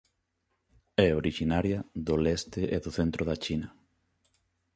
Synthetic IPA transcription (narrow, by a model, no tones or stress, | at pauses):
ɛoɾiʃinaɾjɐðolɛst̪ɪʔeðʊθent̪ɾʔʊðat͡ʃinɐ